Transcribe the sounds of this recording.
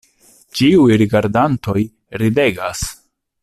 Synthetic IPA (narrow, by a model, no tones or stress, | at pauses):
t͡ʃiujɾiɡaɾdanto̞j | ɾide̞ɡas